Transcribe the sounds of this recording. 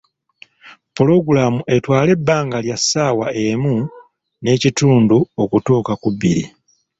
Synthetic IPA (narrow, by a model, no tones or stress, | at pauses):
polo̞ɡulamuʔe̞twaːle̞bːaːŋɡaljasːaːwae̞mu | ne̞ːcituːnduo̞kutuːkakuβḭɾḭ